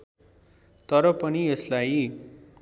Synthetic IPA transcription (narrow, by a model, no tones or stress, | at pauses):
t̪ʌɾʌpʌnieslaj